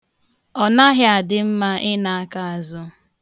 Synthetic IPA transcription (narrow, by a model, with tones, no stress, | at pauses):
ɔ˨na˦ɦɪ˦a˨dɪ˦m̩˦ma˦ʔɪ˦na˨a˦ka˦a˨zʊ˦